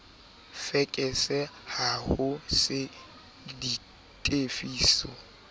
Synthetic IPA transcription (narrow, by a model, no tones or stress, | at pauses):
fɛkʼɛsɛhahʊsɪ | di | tʼefiːsɔ̰